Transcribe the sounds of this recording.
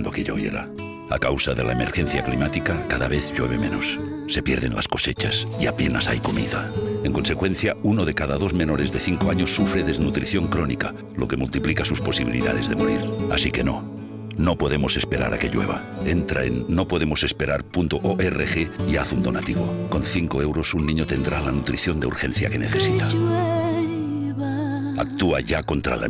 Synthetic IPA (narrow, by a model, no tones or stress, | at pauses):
nd̪okeʎo̞βje̞̰ɾa̰ | akawsaðe̞laeme̞ɾxe̞n̟θjaklimat̪ikakaðaβe̞θʎwe̞βe̞mẽnosːe̞pjeɾðe̞nlʔasko̞set͡ʃasiape̞nasajko̞mḭðaeŋko̞nsekwe̞n̟θjaunoð̞e̞kaðaðo̞zmẽ̞no̞ɾe̞zðe̞θiŋkoaɲosːufɾe̞ðe̞znut̪ɾiθjo̞ŋkɾo̞nika | lo̞kemult̪iplikasuspo̞siβilḭða̰ð̞e̞zðe̞moɾiɾa̰sike̞no | no̞po̞ðe̞mo̞se̞spe̞ɾa̰ɾa̰ke̞ʎwe̞̰β̞a̰ | e̞nt̪ɾa̰enːo̞po̞ðe̞mose̞spe̞ɾaɾpunt̪oʔoʔerexeiaθund̪o̞nat̪iβoko̞nθiŋkoe̞wɾo̞sunːĩɲot̪e̞nd̪ɾalanut̪ɾiθjo̞nd̪eṵɾxe̞n̟θja̰ke̞ne̞θe̞sit̪a | ak̚t̪uaʝako̞nt̪ɾa̰la̰